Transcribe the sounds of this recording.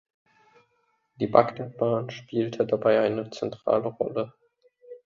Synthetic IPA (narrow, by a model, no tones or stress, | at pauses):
d̥iːbakɛt̚b̥aːnʃpiːltʰədabaɪʔaɪnət͡sɛntʁ̥a̰ːləʁɔ̰lə